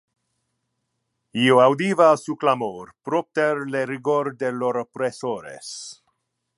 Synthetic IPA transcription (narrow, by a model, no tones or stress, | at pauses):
ioawd̪ivaːsuklamoɾpɾop̚t̪eɾleɾiɡoɾd̪eloɾapɾesoɾḛs